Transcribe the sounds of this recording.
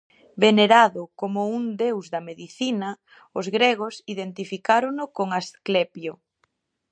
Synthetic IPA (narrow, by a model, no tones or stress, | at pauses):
beneɾaðʊkomʊund̪ewzðɐmeðiθinɐ | ʊzɣɾeɣ̞osiðent̪ifikaɾoŋʊkoŋasklepjo